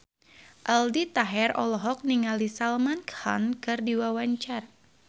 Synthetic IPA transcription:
ʔaldit̪aɦɛrɔlɔɦɔk̚niŋalisalmankha̰nkɨrdiwawaɲt͡ʃar

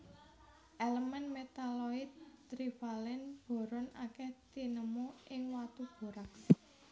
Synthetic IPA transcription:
ʔeləmənmet̪alɔɪt̪̚ːɾifalɛnb̥o̤ɾɔnakɛht̪inəmuʔɪŋwat̪ub̥o̤ɾak

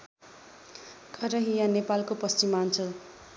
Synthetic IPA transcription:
kʰʌɾʌɦijãnepalkopʌst͡simant͡sʰʌl

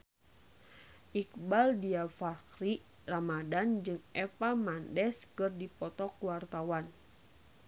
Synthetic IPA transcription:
ʔikbaldiafakɾi | ramadand͡ʒɨŋʔɛpamandɛskɨrdipɔt̪ɔkuwart̪awan

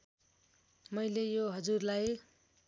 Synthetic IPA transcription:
mʌjlejoɦʌd͡zurlaj

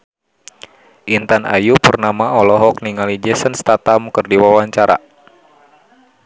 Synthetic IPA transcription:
ʔint̪ana̰jupərnamaɔlɔɦɔk̚niŋalid͡ʒɛsənst̪at̪amkərdiwawaɲt͡ʃaɾa̰

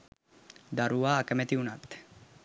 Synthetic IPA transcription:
d̪aruaːkemet̪iunat̪

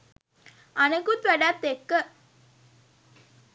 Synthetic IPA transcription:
anekut̪ʋæɖat̪ːekːə

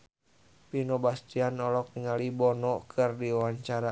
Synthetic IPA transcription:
pinɔbast̪ianɔlɔk̚niŋalibɔnɔkʰɨrdiwaɲt͡ʃaɾa

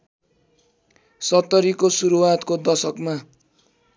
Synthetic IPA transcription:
sʌt̪ːʌɾikosuɾuwat̪kod̪ʌsʌkma

